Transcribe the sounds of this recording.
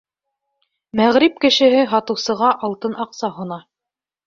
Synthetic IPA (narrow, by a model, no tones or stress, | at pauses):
mæʁɾip̚kɘ̆ʃɘ̆ɦɘɦɑt̪ɤ̆wsɤ̆ʁɑʔɑlˠt̪ɤnʔɑqsɑɦŏnɑ